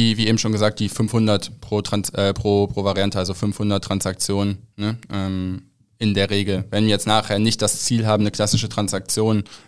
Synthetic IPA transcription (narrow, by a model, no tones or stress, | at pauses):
viːviːʔeːbm̩ʃoːnɡəzaːk̚td̥iːfʏnfhʊndɐtpʁ̥oːtʁ̥ansʔɛːpʁ̥oːpʁ̥oːvaʁiantəalzofʏnfhʊndɐtːʁ̥ansak̚t͡sjoːnənːəʔɛːm | ʔɪndeːɐʁeːɡl̩vɛnviːɐjɛt͡stnaːχheːɐnɪçt̚d̥ast͡siːlɦaːbm̩nəkʰl̥asɪʃətʁ̥ansak̚t͡sjoːn